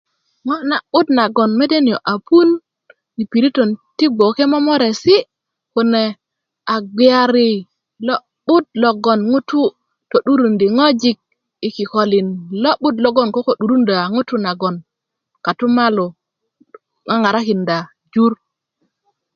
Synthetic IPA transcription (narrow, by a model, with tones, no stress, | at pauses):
ŋo˦na˨ɓu˦tna˨ɡo˨nme˦de˦ni˨jo˨ʔa˨pu˦n | i˨pi˨ɾi˦to˨nti˦ɡ͡bo˨ke˦mo˦mo˦ɾe˨si˦ | ku˨ne˨ | a˨ɡ͡bi˨a˦˨ɾi˦˨ | lo˦ | ɓu˦t̚lo˨ɡo˨nŋu˦tu˦ | to˨ɗu˦ɾu˨ndi˨ŋo˦d͡ʒi˦k̚ | i˨ki˨ko˨li˨nlo˦ɓu˦tlo˦ɡo˦˨nko˦ko˨ɗu˨ɾu˦nda˨ŋu˦tu˦na˨ɡo˨n | ka˨tu˦ma˦lo˨ | ŋa˦ŋa˨ɾa˦ki˨nda˨ | d͡ʒu˦ɾ